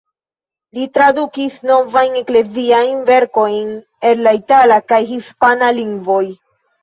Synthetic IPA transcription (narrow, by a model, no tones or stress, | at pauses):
litɾadukisno̞vajnekle̞ziajnve̞ɾko̞jn | e̞nlaitalakajɦispanaliŋɡvo̞j